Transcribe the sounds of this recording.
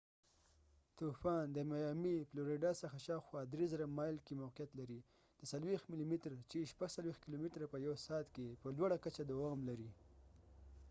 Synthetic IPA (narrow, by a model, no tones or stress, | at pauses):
t̪ufɑnd̪əmajɑmifloɾeɖɑsaxaʃɑwxwɑd̪ɾezəɾamɑjlkemawqijat̪laɾi | d̪̥əsalwext̪milimɪt̪ɾt͡ʃeʃpaɡsalwext̪̚kilomɪt̪ɾapəjawsɑt̪kepəlwaɽakat͡ʃad̪awɑmlaɾi